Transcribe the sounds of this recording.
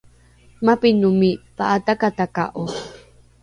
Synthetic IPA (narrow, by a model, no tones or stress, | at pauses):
mapinumipa̰ʔat̪akat̪aka̰ʔo